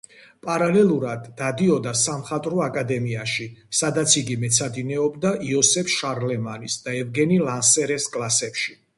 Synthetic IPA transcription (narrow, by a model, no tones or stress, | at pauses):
pʼaɾalɛlˠuɾad̪ːad̪iɔd̪asamχat̪ʼɾɔakʼad̪ɛmiaʃisad̪at̪sʰiɡimɛt̪sʰad̪inɛɔbd̪aʔiɔsɛpʰʃaɾlɛmanisd̪aɛvɡɛnilansɛɾɛskʼlˠasɛpʃi